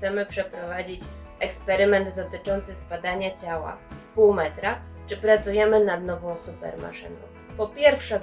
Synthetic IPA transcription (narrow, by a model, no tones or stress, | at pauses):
t̪sɛmɘpʂɛpɾɔvad͡ʑit͡ɕʔɛkspɛɾɘmɛnd̪d̪ɔt̪ɘt͡ʂɔnt̪sɘspad̪aɲat͡ɕawa̰spuwmɛt̪ɾa | t͡ʂɘpɾat̪sujɛmɘnad̪nɔvɔ̃w̃supɛ̰ɾma̰ʂɘ̰nɔ̰̃w̃pɔpʲjɛɾfʂɛ